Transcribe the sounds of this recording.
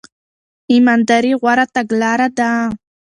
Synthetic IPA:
ɪmand̪aɾɪwaɾat̪aɡlaɾad̪aː

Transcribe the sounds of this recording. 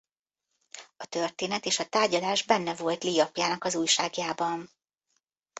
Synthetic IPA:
ɒt̪ørt̪eːnɛt̪eːʃɒt̪aːrɟɒlaːʒbɛnːɛvo̞lt̪liːɒpjaːnɒkɒzuːjʃaːɡjaːbɒn

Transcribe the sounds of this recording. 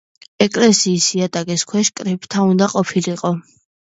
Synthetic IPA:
ɛkʼlɛsiːsiat̪ʼakʼiskʰwɛʃkʼɾipʼt̪ʰaund̪aqʼɔpʰiliqʼɔ

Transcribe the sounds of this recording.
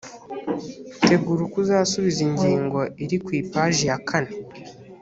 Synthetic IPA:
te̞ɡuɾukuzaːsuβiziɲɟiːŋɡo̞iɾikwiːpaʒijakʰane

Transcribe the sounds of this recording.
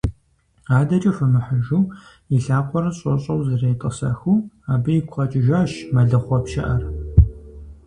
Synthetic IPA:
aːdɐt͡ʃʼɐfɐmɨħəʒuː | iɬaːqʷʰɔɾɐɕʼɔɕʼɐwzɨrɐjtʼɐsɐ̰xuː | aːbɐjikʷʰɐt͡ʃʼɪʒaːʃmɐɮɐχʷɔpʃɐ̰ʔɐr

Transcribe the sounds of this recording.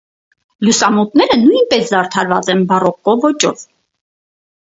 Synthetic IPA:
ljusɑmɔt̪nɛɾənujnpɛsd̪ɑɾt̪ʰɑɾvɑt͡sɛnbɑrɔkːɔvɔt͡ʃɔv

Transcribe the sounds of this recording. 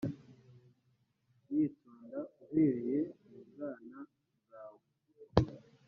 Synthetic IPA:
wiːtoːndauhe̞ːɾe̞jemubɡaːna | zaːwo

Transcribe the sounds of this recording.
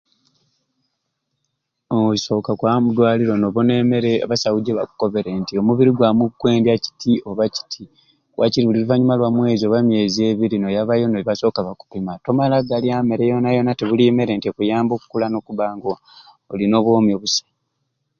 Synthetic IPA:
ouso̞ːkakwamudwaːliɾo̞noβonemeɾeβasawuɟeβa̰ku̥ko̞βe̞ɾentio̞muβiɾiɡwamukwe̞ːndjaci̥tʰio̞βaci̥tʰi | wʔa̰ciɾiβuliluvaɲumalwamwe̞ːzio̞βamje̞ːzie̞βiɾinojaβajo̞noiβaso̞ːkaβaku̥pimatomalaɡaliame̞ɾejo̞najo̞nateβulime̞ɾe̞ːntiekujaːmbo̞ːku̥kulano̞kuβaːŋɡoː | lino̞ːβwoːmjoβusḁ

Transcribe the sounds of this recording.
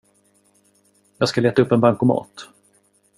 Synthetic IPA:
jɑːɡskaleːt̪aɵpːɛnbaŋkʊmɑ̰ːt̪

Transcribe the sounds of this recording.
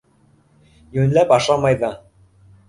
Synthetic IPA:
jʉɘnlæpɑʃɑmɑjðɤ

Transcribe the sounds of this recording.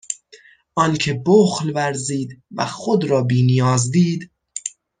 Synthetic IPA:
ʔɒːnkʰe̞boxlvæɾziːd̪væ̰xod̪ɾɒːbiːnijɒːzd̪iːd̪

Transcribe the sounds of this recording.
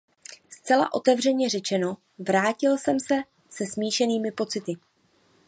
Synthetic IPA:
st͡sɛla̰ʔo̞t̪ɛvr̝ɛɲɛrɛt͡ʃɛno̞ | vɾaːcɪlsɛmsɛ | sɛsmiːʃɛniːmɪpo̞t͡sɪt̪ɪ

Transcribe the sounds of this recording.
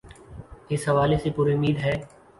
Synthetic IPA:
ɪsɦɐʋaːlesepuːɾiʊmiːd̪ɦɛː

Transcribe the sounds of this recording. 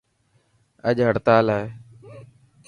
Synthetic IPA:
əʄɦəɽt̪aːlaːe

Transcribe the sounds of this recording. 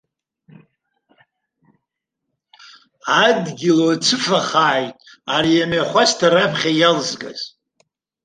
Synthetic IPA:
adɡʲilot͡sʰɨfaχaːjtʼ | aɾijamaχʷastʰaɾapʰχʲajalzɡa̰z

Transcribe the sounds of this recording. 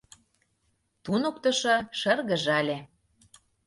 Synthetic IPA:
t̪unə̆kt̪ɤ̆ʃɤ̆ʃərɣə̆ʒɑlʲe

